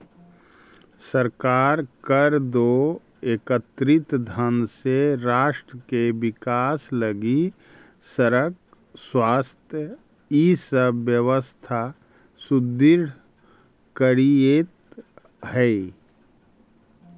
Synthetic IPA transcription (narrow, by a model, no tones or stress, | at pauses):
səɾkaːɾkəɾd̪o | eːkət̪ɾɪt̪d̪ʱənseɾaːʃʈɾəkeʋɪkaːsləɡi | səɾək̚ | swaːst̪ʰjə | iːsəbjəʋəst̪ʰa | sʊd̪ɪɾɖ | kəɾijet̪ | hɛ